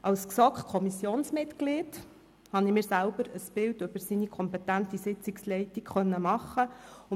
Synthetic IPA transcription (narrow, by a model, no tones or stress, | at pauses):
ʔɑlsksɔkχkʰɔmisjoːnsmɪtklet | hɑnimɪːrsælb̥əɾəsb̥ɪldʏb̥əɾsinikʰɔmpɛtæntisɪt͡sikslɛjtikχœnːəmɑχːəʊ